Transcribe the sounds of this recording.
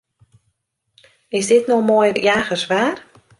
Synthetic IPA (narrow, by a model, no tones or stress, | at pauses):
ɪsdɪtnoxmoːjjaːɣəsʋaːr